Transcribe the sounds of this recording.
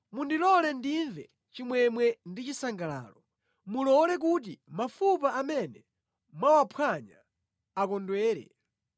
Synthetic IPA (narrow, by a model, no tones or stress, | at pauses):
mundilɔlɛndiɱvɛ | t͡ʃimwɛmwɛndit͡ʃisaŋɡala̰ːlɔ | mulɔlɛk̬ut̬imafupaʔamɛnɛ | mwawapʰwaɲa̰ | akɔndwɛːɾɛ̰